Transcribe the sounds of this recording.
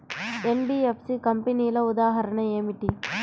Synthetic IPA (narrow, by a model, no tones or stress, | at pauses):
enɖiepʰsikɐmpenijlɐud̪aːɦɐɾɐɳɐeːmiʈi